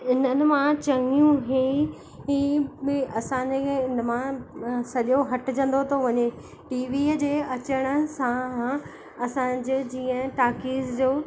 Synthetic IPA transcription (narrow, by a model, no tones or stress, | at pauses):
ɪnənɪ̆mãt͡ɕɐŋijũɦẽ | ĩɪɐsãːɲd͡ʑeeɪnə̆mãsɐʄoɦɐʈɪd͡ʑə̃n̆d̪ot̪ʰoʋɐɲe | ʈiːʋiːəd͡ʑeːɐt͡ɕəɽ̃ə̆sã | ɐsã̆ːd͡ʑɪd͡ʑiːə̃ʈaːkiːzd͡ʑoː